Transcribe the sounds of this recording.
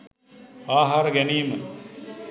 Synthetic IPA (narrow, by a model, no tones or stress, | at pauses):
aːɦaɾəɡæniːmə